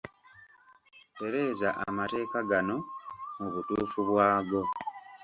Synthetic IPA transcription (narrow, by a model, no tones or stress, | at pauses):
pe̞ɾe̞ːzaʔamate̞ːkaɡano̞muβutuːfuβwaːɡo̞